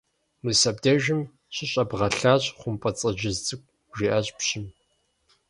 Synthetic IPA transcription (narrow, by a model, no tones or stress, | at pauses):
mɨsɐbdeʒɪm | ɕʷɪɕʼɐbʁɐɬaːɕʼχʷʊmpʼɐt͡sʼɐʒɪztʼɨkʷʼ | ʒiʔɐɕʼpɕɪm